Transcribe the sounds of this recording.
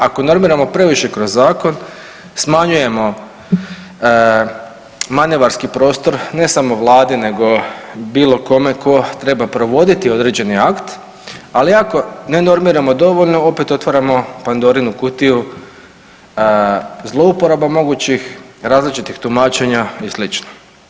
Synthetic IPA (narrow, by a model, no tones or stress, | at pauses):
ako̞no̞ɾmiːɾamo̞pɾe̞ʋiʃe̞kɾozːaːko̞n | smaɲuje̞mo̞ | maneʋaɾskipɾo̞ːst̪o̞ɾne̞samo̞ʋlˠaːd̪ine̞ɡo̞biːlo̞ko̞me̞kʰo̞t̪ɾe̞bapɾo̞ʋo̞d̪it̪io̞d̪ɾe̞d͡ʑe̞niakt̪ | aliako̞ne̞no̞ɾmiːɾamo̞d̪o̞ʋo̞ʎno̞o̞pe̞t̪o̞t̪ʋaɾamo̞pand̪o̞ɾinukut̪iju | zlˠo̞upo̞ɾabamo̞ɡut͡ɕixɾaːzlit͡ʃit̪ixt̪umaːt͡ʃe̞ɲaislit͡ʃno